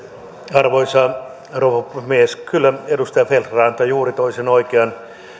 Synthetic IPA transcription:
ɑrʋoisɑː | roʋopːmieskylːæedust̪ɑjɑfelrɑːnt̪ɑjuːrit̪oisenoikeɑn

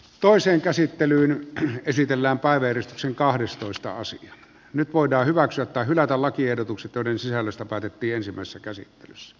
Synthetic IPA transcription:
t̪oˑeseːŋkæsit̪ːelyːnesit̪elːæːmpæˑeʋæjærist̪ykseŋkɑhdest̪oˑest̪ɑ̰ɑ̰siɑ | nyt̪ʋoˑedˑɑːhyʋæksyæt̪ːɑˑhylæt̪ællɑkiehdot̪ukset̪joˑeɾensisælːøst̪æpæːt̪et̪ːiːensimːˑæˑesesːækæsḭt̪ːelysːæ̥

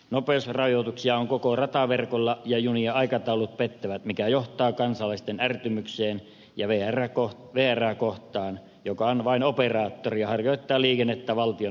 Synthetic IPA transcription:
nopeosrɑjot̪uksiɑoŋkokorɑt̪ɑʋerkolːɑjɑjuniɑɑikɑt̪ɑulut̪̚pet̪ːæʋæt̪mikæjoht̪ˑɑːkɑnsɑlɑist̪enært̪ymykseːn | jɑʋeːærækoh | ʋeːæræːkoht̪ˑɑːn | jokɑonʋɑinoperɑːt̪ːoriɑhɑrjoˑit̪ːɑːliːkenːet̪ːæʋɑlt̪io

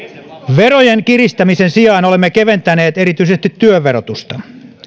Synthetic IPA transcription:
ʋerojeŋkirist̪æmisensiɑːnolemːekeʋent̪æneːt̪eɾit̪yisest̪it̪ːyøʋːeɾot̪ust̪ɑ

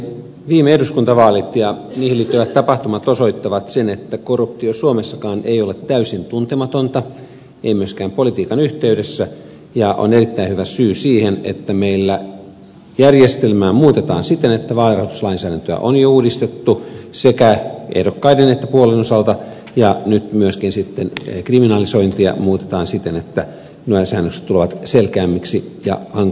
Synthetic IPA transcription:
ʋiːmeehduskunt̪ɑʋɑːlit̪jɑniːhiliːt̪ːyʋæt̪t̪ːɑpɑht̪umɑt̪osoit̪ːɑʋɑt̪senet̪ːækorːup̚t̪iosuomesːɑkɑːnʔejolet̪tːæysint̪unt̪emɑt̪ont̪ɑ | eimyøskæːmpolit̪iːkɑnyht̪eydesːæ | jɑʔo̰nerit̪ːæinhyʋæsyːsiːhenḛt̪ːæmeilːæ | jærjest̪elmæːmuːt̪et̪ɑ̰ːnsit̪enet̪ːæʋɑːlirɑhot̪uslɑinsæːɾænt̪øæ̰ʔonjouːdist̪et̪ːusekæʔḛhdokːɑidenet̪ːæpuolenosɑlt̪ɑ | jɑnyt̪myøskinsit̪ːenkriminɑlisoint̪iɑ̰muːt̪et̪ɑːnsit̪enet̪ːæ | nuesæ̰ːnːøkse̥t̪t̪uleʋɑt̪selkæːmːiksijɑ̰hɑŋ

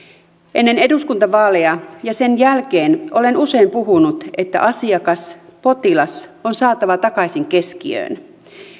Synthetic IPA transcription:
ʔe̞nːeneduskunt̪ɑʋɑːlejɑjɑsenjælkeːnʔo̞le̞nuse̞impuɦunut̪e̞t̪ːæ̰ʔɑsiɑkɑspo̞t̪ilɑsonsɑːt̪ɑʋɑt̪ɑkɑisiŋke̞skiø̰ːn

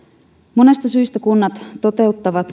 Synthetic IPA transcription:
mo̞ne̞st̪ɑsyist̪ækunːɑt̪t̪ːo̞t̪e̞ut̪ːɑʋɑt̪

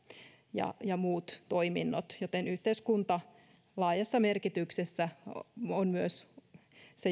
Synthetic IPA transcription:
jɑ̰jɑmuːt̪toiminːot̪jot̪enyht̪eiskunt̪ɑ | lɑːjɑsːɑmerkit̪yksesːæonmyøs | se

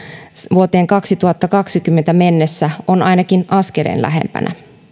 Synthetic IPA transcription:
ʋuot̪e̞ːŋkɑksit̪uhɑt̪ːɑkɑksikymːent̪æmenːesːæonʔɑjnɑkinʔɑskelḛːnlæ̰ɦḛmpæ̰nʔæ̰

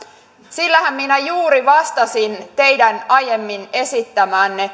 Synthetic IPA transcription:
silːæhæmminæjuːɾiʋɑst̪ɑsint̪e̞jdænɑjemːine̞sit̪ːæmæːnːe

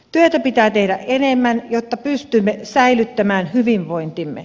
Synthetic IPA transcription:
t̪yøt̪æpit̪æːt̪ehɾæʔʔenemːænjot̪ːɑpyst̪ymːesæilyt̪ːæmæːnhyʋiʋʋoint̪imːḛ

